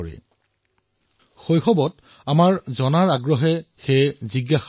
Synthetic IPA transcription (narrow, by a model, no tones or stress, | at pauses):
ɔɹɛ̰ | xojxɔbɔt | amaɹzɔnaɹaɡɹɔɦɛxejziɡax